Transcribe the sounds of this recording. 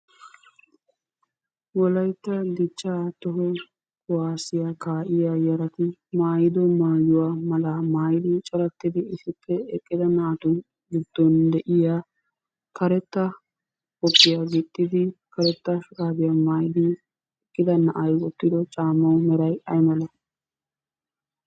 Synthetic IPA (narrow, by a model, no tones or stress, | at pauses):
wɔlɐjt̪ːɐd̪ɪt͡ʃːaːt̪ɔɦɔ | waːsɪjakaːʔɪjaːjɐɾɐt̪ɪmaːjd̪ɔmaːjʊwaːmɐlɐmaːjɪd̪ɪt͡ʃʼɔɾɐt̪ːɪd̪ɪɪsɪpːɛɛkʼːɪd̪ɐnaːt̪ʊn | ɡɪd̪̥ːɔnd̪ɛʔɪjaː | kɐɾɛt̪ːɐ | kɔpʼːɪjaɡɪt̪ʼːɪd̪ɪkɐɾɛt̪ːɐʃʊɾaːbɪjamaːjɪd̪ɪ | ɛkʼːɪd̪ɐnɐʔɐjwɔt̪ːɪd̪ɔt͡ʃʼaːmːɐwmɛɾɐjʔɐjmɐlɐ